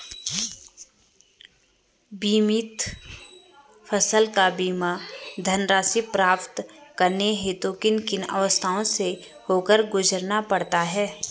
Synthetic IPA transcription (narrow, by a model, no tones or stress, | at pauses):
biːmɪt̪ | pʰəsəlkabiːmad̪ʱənɾaːsipɾaːpt̪kəɾneɦet̪oːkɪnkɪnə̰ʋəst̪ʰaːõse | hoːkəɾɡʊd͡ʒəɾnapɐɽt̪aɦɛː